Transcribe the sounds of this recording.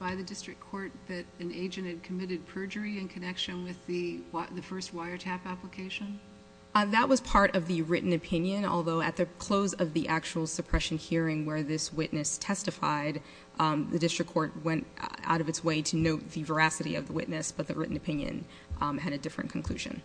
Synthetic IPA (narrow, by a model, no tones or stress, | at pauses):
b̥aɪðɨdɪstɹ̥ɨkʰɔɹt̪̚ðɨɾɨ̃neɪd͡ʒɨ̃nt̚hɨd̚kʰɨmɪɾɨd̚pʰɜ˞d͡ʒə˞iɨ̃nkʰɨnɛkʃɨ̃nwɪðɨðɨfɜ˞st̚waɪə˞tʰæpæpləkʰeɪʃɨ̃n | ðəʔ̚wʌz̥pʰɑɹɾʌvðɨɹɪʔn̩ɨpʰɪ̃njɨ̃nɔ̰lˠðoʊɨt̪̚ðɨkʰl̥oʊzʌvðiʔæk̚t͡ʃul̩ˠsɨpʰɹ̥ɛʃɨ̃n̩hiɹɪ̃ŋwə˞ðɪswɪʔⁿnɨstʰɛstɨfa̰ɪd | ðɨ̰dɪstɹ̥ɨkʰːɔɹt̚wɛ̃nta̰ʊɾʌvɨtsweɪɾɨnoʊt̪̚ðɨvə˞æsɨɾḭʌ̰vðəwɪ̰ʔⁿnɨsb̥ʌt̪̚ðɨɹɪ̰ʔn̩ɨpʰɪ̃njɨ̰̃n | ɨɾɨdɪfɹɨ̰̃nkʰn̩kʰl̥ʉ̰ʒɨ̰̃n